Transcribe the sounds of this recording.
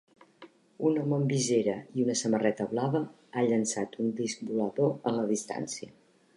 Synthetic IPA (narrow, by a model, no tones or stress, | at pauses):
unəmɔmbizeɾəiunəsəmərɛt̪əβlaβə | aʎənsat̪und̪isk̚buləðoənləðist̪a̰nsiə